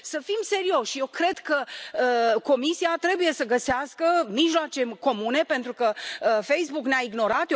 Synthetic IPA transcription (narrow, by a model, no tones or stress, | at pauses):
səfimse̞ɾio̞ʃʲjewkɾe̞d̪kəəko̞misiat̪ɾe̞buje̞səɡəseaskəmiʒloat͡ʃe̞ko̞mune̞pe̞nt̪ɾukəfe̞jsbukneaiɡno̞ɾat̪